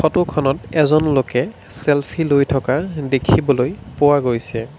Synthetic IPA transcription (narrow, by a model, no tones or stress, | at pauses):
xʰɔtʊkʰɔnɔtɛzɔnlokɛ | sɛlpʰilojtʰɔkadekʰibɔlojpʊwaɡojsɛ